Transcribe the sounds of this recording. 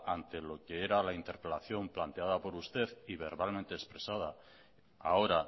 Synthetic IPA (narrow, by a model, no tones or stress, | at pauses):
ant̪e̞lo̞ke̞eɾalaint̪e̞ɾpe̞laθjo̞mplant̪e̞að̞apo̞ɾust̪e̞ðiβ̞e̞ɾβalmẽnt̪e̞ːspɾe̞sað̞a | a̰o̞ɾa